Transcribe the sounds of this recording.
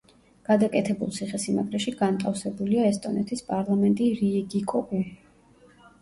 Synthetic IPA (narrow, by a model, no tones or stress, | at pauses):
ɡ̥ad̪akʼɛt̪ʰɛbṵlˠt̪sʰiχɛsima̰ɡɾɛʃiɡant̪ʼafsɛbuliaɛst̪ʼɔnɛt̪ʰispʼaɾlˠamɛnt̪ʼiɾiɛɡikʼɔpʼi